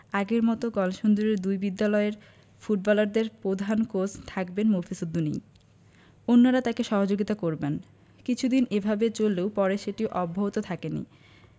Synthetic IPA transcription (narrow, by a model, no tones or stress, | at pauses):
aɡeɾmɔt̪oɡɔlʃond̪oɾeɾd̪ujbid̪ːalɔeɾ | fuʈ̚bɔlaɾd̪eɾpɾod̪ʱankost̪ʰakbenmofʰisud̪ːunḭ | onːoɾat̪akeʃɔɦod͡ʑoɡit̪akoɾben | kit͡ɕʰud̪inebʱabet͡ɕolːeopɔɾeʃeʈiʔɔbʱːabot̪ot̪ʰakenḭ